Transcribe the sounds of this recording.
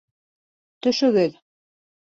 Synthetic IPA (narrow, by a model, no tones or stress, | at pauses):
t̪ɵ̆ʃɵ̆ɡɘð